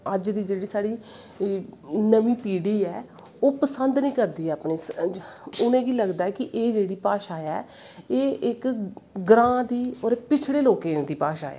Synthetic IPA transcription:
əd͡ʒd̪iːd͡ʒeːɽiːsaːɽiː | nəmĩːpiːɽiːɛː | oːpəsənd̪nəĩːkəɾd̪iːɛːəpniːs | ʊnẽːɡiːləɡd̪aːɛːkɪʔeːd͡ʒeːɽiːpaːʃaːɛː | eːʔɪkɡɾãːd̪iːɔːɾepɪt͡ʃʰɽeːloːkẽːnd̪iːpaːʃa̰ːɛ̰ː

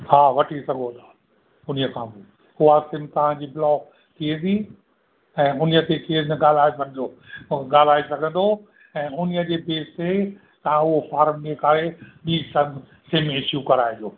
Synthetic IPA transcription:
haːʋɐʈʰisɐɡʱot̪ʰḁː | ʊnijəkʰãːbɪ | ʊasɪ̃ːmt̪ɐʋ̤ãd͡ʑiːbɪlɔː | t̪ʰiẽ̆ːd̪i | ɛ̃ːʊniət̪ʰekʰeːɾnɐɡaːl̤aːebɐnɪd͡ʑoɠaːl̤aːesɐɡʱə̃nd̪o | ɛ̃ːʊniəd͡ʑeːbeːst̪ʰe | t̪ɐãʊɦofaːɾmd͡ʑekəɾeɓiːsɐm | seːmɪʃjukɐɾaːẽd͡ʑoː

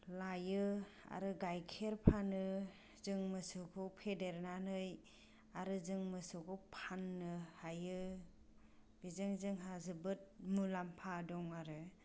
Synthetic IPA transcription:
lajɯa̰ɾɯɡajkʰeɾpʰanɯ | zɯŋmɯsɯkʰɯpʰedeɾnanɯj | aɾɯzɯŋmɯsɯkʰɯpʰanːɯhajɯ | bizɯŋzɯŋɦazɯbɯt̚mulampʰadɔŋaɾɯ

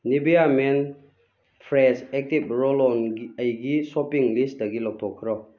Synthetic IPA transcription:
nibijamen | pʰɾesek̚tib̚ɾɔlɔnɡiəjɡisɔpiŋlisdɐɡilɔk̚tʰɔkʰːɾɔ

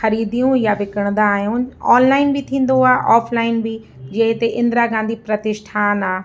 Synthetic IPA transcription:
xɐɾiːd̪ijũjaʋɪkəɽ̃nd̪aːɦjũaːnlaːɪnbɪt̪ʰĩːn̆d̪oaːɦʔaːfʰlaːɪnbɪ | d͡ʑɐɦɪt̪eʔɪ̃nd̪ɾaɡãːnd̪ʱipɾɐt̪ɪʃʈʰaːnaː

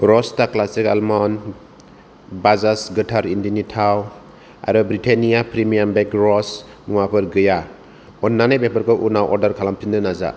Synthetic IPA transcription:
ɾɔstaklasikalmɔn | bazasɡɯtʰaɾindinitʰaw | a̰ɾɯbɾitʰenijapʰɾimijambekɾɔs | muŋapʰɯɾɡɯja | ɔnːanajbepaɾkʰɔʔunawʔɔɾdaɾkʰalampʰindɯnaza̰

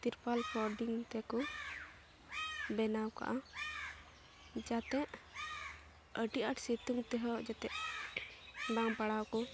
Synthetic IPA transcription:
t̪iɾpalpɔɾɖiŋt̪ɛkɔ | bɛnawka̰ʔa | d͡ʒat̪ɛʔ | əʈiʔaʈsit̪uŋt̪ɛɦɔd͡ʒat̪ɛʔ | baŋpaɽawkɔ

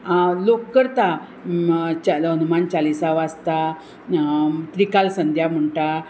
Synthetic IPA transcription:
lokːəɾt̪a | t͡ɕaənumant͡ɕalisaʋast̪a | t̪ɾikalsənd̪ʱjam̤əɳʈa

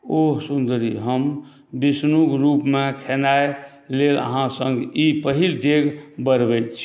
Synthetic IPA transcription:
oɦsund̪ɾiɦəm | bisnuɡɾupmẽkʰenae | lelə̰ɦãsə̃ŋɡipəɦild̪eɡbəɾbɛt̪t͡ʃʰi̥

